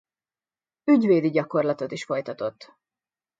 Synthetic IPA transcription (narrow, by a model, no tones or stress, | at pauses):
yɟveːd̪iɟɒko̞rlɒt̪o̞t̪iʃfo̞jt̪ɒt̪o̞t̪ː